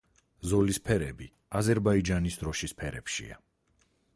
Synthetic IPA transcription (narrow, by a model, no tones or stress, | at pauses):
zɔlispʰɛɾɛbi | azɛɾbaid͡ʒanisd̪ɾɔʃispʰɛɾɛpʃḭa̰